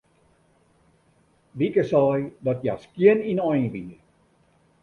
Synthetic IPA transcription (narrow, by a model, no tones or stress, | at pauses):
ʋikəsɑːjdɔtja̰skiəninɔjvi